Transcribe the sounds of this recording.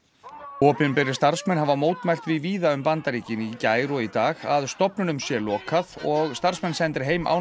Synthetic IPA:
ɔːpɪnpɛɾɪ̥st̪aɾ̥smɛnɦavamoːwt̪mɛl̥t̪vɪðviːðaʏmpant̪aɾiːcɪnicaːjɾɔit̪aːɣaðst̪ɔpnʏnʏmsjɛlɔːkʰaðɔɣst̪aɾ̥smɛnsɛnt̪ɪɾ̥ɦeːjma̰w

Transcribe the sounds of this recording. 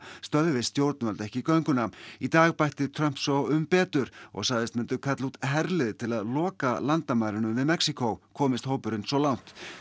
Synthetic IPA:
st̪œðʏvɪðst̪jowɾt̪nvœlt̪ɛhcɪikœɥŋkʏnait̪aːɣpajht̪ɪt̪ʰɾœm̥psɔwʏmpɛːt̪ʏɾɔ̰ɣsaːɣðɪst̪mɪnt̪ʏkʰat̪lut̪ɦɛɾlɪðt̪ʰɪlaðlɔːkalant̪amajɾɪnʏmvɪðmɛksikʰowkʰɔːmɪst̪howpʏɾɪnsɔlawn̥t̪

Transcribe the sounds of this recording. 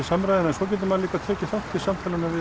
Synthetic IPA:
ɪsamːɾajðɪnɛnsɔc̬ɛːt̪̬ʏmaðliːkat̪ʰɛːcɪfaht̪ɪ̥samfaːlanavɪ

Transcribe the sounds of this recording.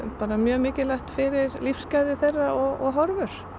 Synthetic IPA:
paːɾamjœːmɪːcɪlaht̪fɪɾɪɾlifskaːjðɪθerːaɔɣɔ̰ɣɦɔɾvʏɾ̥

